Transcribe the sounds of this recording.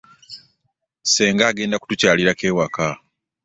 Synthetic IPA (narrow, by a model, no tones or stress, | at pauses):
se̞ːŋɡaːɡe̞ːndaku̥tucaːliɾake̞ːwaka